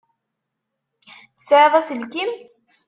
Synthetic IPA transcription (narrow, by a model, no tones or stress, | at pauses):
θə̥sʕeðˤɑsəlkim